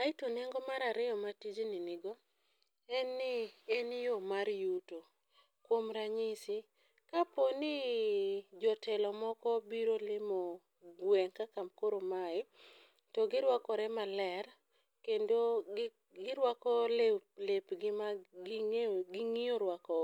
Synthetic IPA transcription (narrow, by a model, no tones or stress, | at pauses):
aɪtonɛŋɡɔmaɾaɾɪjɔmatid͡ʒinɪnɪɡɔ | ɛnːɪɛnjomaɾjuto | kwomɾaɲisi | kaponɪ | d͡ʒɔtɛlɔmɔkɔbiɾolɪmo | ɡwɛŋkakamkoɾomaɪ | tɔɡɪɾwakɔɾɛmalɛr | kendo | ɡɪɾwakɔllepɡɪma | ɡɪŋijoɾwakɔ